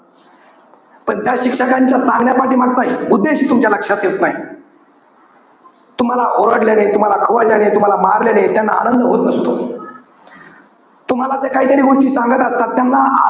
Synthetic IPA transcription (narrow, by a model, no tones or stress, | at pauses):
pəɳt̪jaɕikʂəkaɲt͡ɕjasaŋɡɳjapaʈiːmaɡ̚t̪aɦiud̪ːeɕiːt̪umt͡ɕjaləkʂat̪jet̪naɦi | t̪um̤alaʔoɾəɽljaɽet̪um̤alakʰəʋəɾljaɽet̪um̤alamaɾljanet̪janːa̰a̰nənd̪ʱəɦot̪nəst̪o | t̪um̤alat̪ekaɦiːt̪əɾiːɡuɾt͡ɕiːsãŋɡət̪əst̪at̪ːjanːa̰